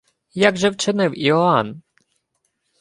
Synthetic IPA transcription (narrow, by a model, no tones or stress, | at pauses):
jaɡʒɛwt͡ʃɪnɪwiɔan